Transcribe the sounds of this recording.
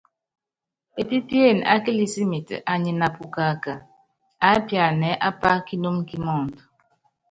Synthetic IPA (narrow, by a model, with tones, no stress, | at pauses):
e˨ti˦ti˦e˦˨n˨a̰˦ke˦li˦si˦mi˨tʔa˨ɲe˨na˨pu˨ka˨ka˨ | a˦pja˨nɛ˨˦ʔa˦pa˦ki˦no˦mki˦mɔ˦˨n˨t